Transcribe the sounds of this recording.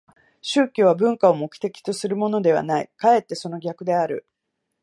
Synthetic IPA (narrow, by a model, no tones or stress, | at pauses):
ɕɨːkʲoːβabɯ̟̃ŋkaomo̞kɯ̥t̪e̞kʲi̥t̪o̞sɨɾɯ̟mo̞no̞d̪e̞β̞a̰naḭkae̞t̪ːe̞so̞no̞ɡʲakɯ̟d̪e̞aɾɯ̟